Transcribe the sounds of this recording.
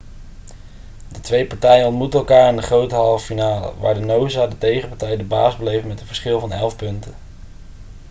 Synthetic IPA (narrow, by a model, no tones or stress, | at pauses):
dətʋejpɑɹtɛjənɔntmutəɛlˠkaːɹɪndəχrowtəɦɑlˠfinaːlə̰ʋa̰ːɹdənowzaːdətejχəpɑɹtɛjdəba̰ːzbəlejfmɛtənvəɹsχɪlˠvɑnɛlˠfpɵntən